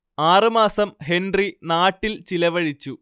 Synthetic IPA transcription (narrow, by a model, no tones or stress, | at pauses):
aːrɨmaːsɐmɦendrinaːʈːilt͡ɕilɐʋɐɻit͡ɕːu